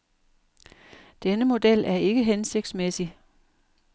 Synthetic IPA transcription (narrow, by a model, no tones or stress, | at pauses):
d̥enəmo̝d̥el̰æɐe̝ɡ̥əɦense̝ɡ̥̚d̥smesi